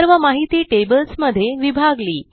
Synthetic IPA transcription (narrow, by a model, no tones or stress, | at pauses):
əɾʋəmaɦit̪iːʈebəlsməd̪ʱːjeʋibʱaɡliː